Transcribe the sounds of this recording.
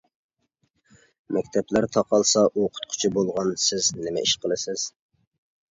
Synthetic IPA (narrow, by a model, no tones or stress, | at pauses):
mɛkʲt̪ʰɛplæɾt̪ʰɑqʰɑlˠsɑʔuqʰʊ̥t̪̚qʰʊ̥t͡ʃʰibolˠʁɑnsɪznɪmɛʔiʃqʰəlˠɨsɪz̥